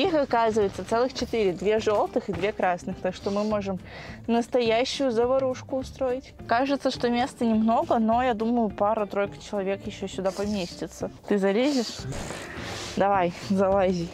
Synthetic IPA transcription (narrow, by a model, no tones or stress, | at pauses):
ixɐkazɨvəjɪt̪sət̪sɛlˠɨxt͡ɕɪt̪ɨɾʲɪd̪vʲe̞ʐo̞lˠt̪ɨxɨd̪vʲekɾasnɨxt̪aʂt̪omɨmo̞ʐɨm | nəst̪ɐjæɕːʊjʊzəvɐɾuʂkʊːst̪ɾo̞jɪtʲkaʐɨt̪səʂt̪omʲest̪ənʲɪmno̞ɡəno̞jad̪uməjʊpaɾət̪ɾo̞jkə̥t͡ɕɪlˠɐvʲe̞kjɪɕːosʲʊd̪apɐmʲesʲtʲɪt̪sət̪ɨzɐlʲezʲɪʂ | d̪ɐvajzɐlˠazʲɪj